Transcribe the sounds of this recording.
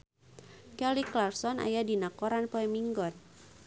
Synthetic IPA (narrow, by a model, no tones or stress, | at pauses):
kɛliklarsɔna̰jadinakɔɾanpɔɛmiŋɡɔn